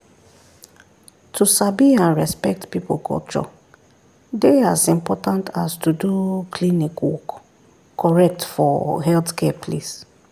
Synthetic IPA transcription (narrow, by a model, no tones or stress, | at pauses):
tʰusabiãnɹɛspɛk̚tpipolkʰɔ̰lt͡ʃɔ̰ | deazĩmpɔtãntastudukʰlĩnikwɔk | kːɔɹɛk̚tfɔ̰ɦɛltkʰɛpʰlis